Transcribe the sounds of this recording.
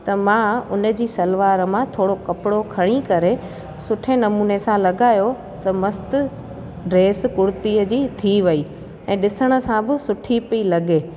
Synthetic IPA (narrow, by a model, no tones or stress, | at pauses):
t̪ɐmãʊnə̆d͡ʑiːsɐlʋaːɾmãt̪ʰoːɽokɐpɪɽokʰɐɽ̃ikɐɾe | sʊʈʰenɐmuːnesãlɐɡaːjo | t̪ɐmɐst̪ʊ | ɖɾeːskʊɽt̪iːəd͡ʑiːt̪ʰiʋɐi | ɛ̃ːɗɪsəɽ̃ə̆sãbɪsʊʈʰipilɐɠeː